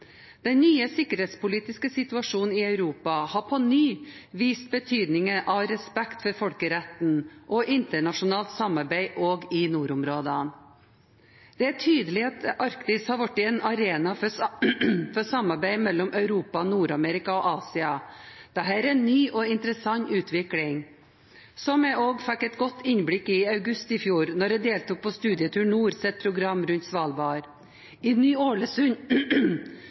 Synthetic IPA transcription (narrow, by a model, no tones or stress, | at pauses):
d̪̥ɛnnyːəsɪkːəɾheːt̪spʊliːt̪ɪskəsɪt̪ʉɑʂuːnn̩ɪœʉɾuːpɑhɑpʰɔnyːʋiːst̪̚bət̪ʰyːd̪nɪŋəʔɑʋɾɛspɛkt̪fɔɾfɔlkəɾɛt̪n̩ʔɔʔɪnt̪əɳɑʂʊnɑːlt̪sɑmɑɾbæɪʔoːɡɪnuːɾʊmɾoːd̪ən | d̪̥ɛæʈʰyːd̪əlɪɑt̪ɑɾkt̪ɪshɑɾʋɑʈːɪɛːnɑɾeːnɑ | fɔsɑmːɑɾbæɪmɛlːɔmʔœʉɾuːpɑnuːɾɑmeːɾɪkɑɔʔɑːsɪɑd̪̥ɛɦæːɾɛnːyːʔɔɪnt̪əɾəsɑɲːʉːt̪ʰʋɪklɪŋ | sɔmɛʔoːɡfɛkːɛt̪ɡɔt̪ːɪnbɽɪkɪɑʉɡʉst̪ɪfjuːɾnɔɾɛd̪eːlt̪uːk̚pʰoːst̪ʉːd̪ɪət̪ʰʉːɳuːɾsɛt̪̚pʰɾʊɡɾɑmɾʉnt̪sʋɑːlbɑːɾ | ɪnyːoːɭəsʉɲ